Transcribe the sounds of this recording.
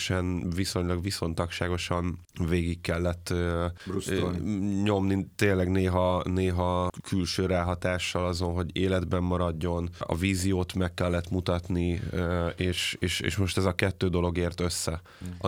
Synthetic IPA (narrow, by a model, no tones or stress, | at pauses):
ʃɛnviso̞ɲlɒɡʋiso̞nt̪ɒkʃaːɡo̞ʃɒn | veːɡikːɛlːɛt̪ːu | ɲo̞mnit̪eːnlːɛɡneːɦɒneːɦɒkʰylʃøːɾaːɦɒt̪aːʃːɒlɒzo̞nɦo̞ɟeːlɛd̪bɛmːɒɾɒɟːo̞nɒ̰viːzijoːt̪mɛkːɛlːɛt̪mut̪ɒt̪ni | eːʃḛːʃḛːʃmo̞ʃt̪ɛzɒkɛt̪ːøːd̪o̞lo̞ɡeːrt̪ø̞sːɛ | ɒ